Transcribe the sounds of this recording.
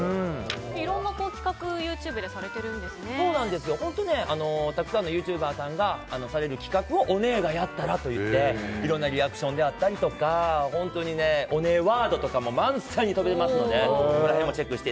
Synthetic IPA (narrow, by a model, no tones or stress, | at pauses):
ɯ̃iɾõ̞nːako̞ːkʲi̥kakɯ̟jɯːt͡ɕɨːbɯ̟d̪e̞saɾe̞t̪e̞ɾɯ̟̃nd̪e̞sɨnneso̞ːnãnd̪e̞sɨjo̞hõ̞nt̪o̞ne̞ano̞t̪akɯ̟̥sãnːo̞jɯːt͡ɕɨːbaːsãŋɡaːno̞saɾe̞ɾɯ̟kʲi̥kakɯ̟o̞ʔone̞ːɡajat̪ːaɾat̪o̞jɯ̟t̪ːe̞iɾõ̞nːaɾʲiakɯ̟̥ɕõ̞nd̪e̞at̪ːaɾʲit̪o̞kahõ̞nt̪o̞ɲ̟ine̞o̞ne̞ːβaːd̪o̞t̪o̞kamo̞mãɰ̃saɲ̟it̪obe̞t̪emasɨno̞d̪ekooɾaɦẽmːo̞t͡ɕe̞kːɯ̟ɕi̥e